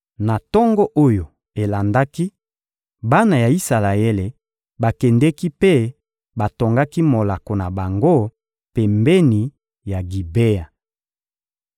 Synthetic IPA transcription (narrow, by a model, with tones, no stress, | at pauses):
na˨tɔ˦ŋɡɔ˦ʔo˦jo˨ | e˨la˨nda˦ki˦ | ba˦na˨ja˨i˦sa˨la˨e˦le˨ | ba˨kɛ˨ndɛ˦ki˦pe˦ | ba˨to˨ŋɡa˦ki˦mo˨la˨ko˨na˨ba˨ŋɡo˦ | pɛ˨mbɛ˦ni˨ | ja˨ɡi˨be˦a˨